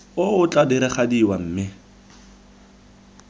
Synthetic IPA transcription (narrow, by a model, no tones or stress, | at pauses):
ʊʊt͡ɬʼadɪɾɪχadiwam̩ːmɪ